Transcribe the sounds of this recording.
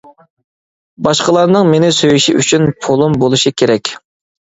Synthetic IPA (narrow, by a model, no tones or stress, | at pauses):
bɑʃqəlˠɑɾnɨŋmenɪsøjyʃiʔy̰t͡ʃʰynpʰolˠumbolˠuʃikʲʰeɾɛkʲ